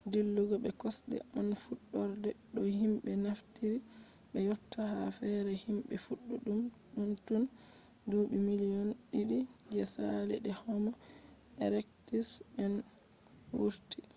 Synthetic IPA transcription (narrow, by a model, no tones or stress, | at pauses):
dilːuɡɔɓɛkɔsɗɛ̰ʔanfuɗːɔɾdɛɗɔhimɓɛnaftiɾi | ɓɛjɔtːahafɛɾɛhimɓɛfuɗːuɗum | ɗuntun | doːɓimilijɔnɗiɗi | d͡ʒɛsalɛɗɛhɔma | ʔɛɾɛktisɛn | wuɾti